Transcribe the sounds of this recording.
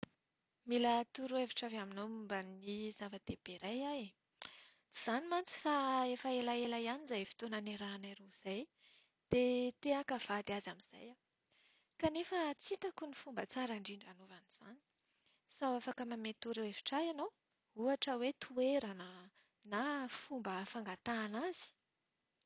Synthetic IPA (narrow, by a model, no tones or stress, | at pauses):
milət̪uɾueviʈ͡ʂavaminomumbanniz̥avad̪̥eb̥eɾaja | iz̥animant͡si̥faefəelaelajanizajfi̥t̪onəniɾanaɾoz̥aj | d̪̥et̪eakəv̥ad̪iazamiz̥a̰ja | kanefət͡sit̪akunifumbət͡saɾaɳɖ͡ʐiɳɖ͡ʐanovaniz̥ani̥ | sawafakəmamet̪uɾewefi̥ʈ͡ʂajano | uaʈ͡ʂəwet̪ʰueɾanə | nafumbəfaŋɡat̪aːnaz̥i̥